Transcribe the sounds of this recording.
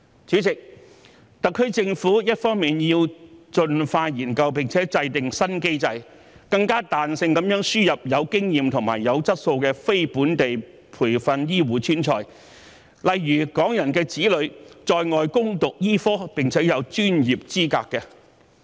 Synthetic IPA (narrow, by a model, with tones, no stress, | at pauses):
t͡ʃʰyː˨˥t͡sɪ˨k̚ | t̪ɐ˨kʰːɵ˥ɥt͡sɪ˧ŋfuː˨˥jɐ˥t̚fɔː˥ŋmiː˨njiː˧wt͡ʃɵ˧nfaː˧jiː˨˩nkɐ˧wpɪ˨˩ŋt͡sʰɛː˨˥t͡sɐ˧jt̪ɪ˨ŋsɐ˥nke˥jt͡sɐ˧j | kɐ˧ŋkaː˥t̪aː˨nsɪ˧ŋkɐ˨˥mjœː˨˥ŋsyː˥jɐ˨p̚jɐ˨˧wkɪ˥ŋjiː˨mt̪ʰʊ˨˩ŋmaː˨˩jːɐ˨˧wt͡sɐ˥t̚so˧wkɛː˧fe˥jpuː˨˥nt̪e˨j | pʰuː˨˩jfɐ˧njiː˥wuː˨˥t͡ʃʰyː˥nt͡ʃʰɔː˧j | lɐ˨jːyː˨˩kɔː˨˥ŋjɐ˨˩nkɛː˧t͡siː˨˥lɵ˨˧˥ɥt͡ʃɔː˧jŋɔː˨˧jkʊ˥ŋt̪ʊ˨k̚jiː˥fɔː˥pɪ˨ŋt͡sʰɛː˨˥jɐ˨˧wt͡ʃyː˥njiː˨p̚t͡siː˥ka̰ː˧kːɛ˧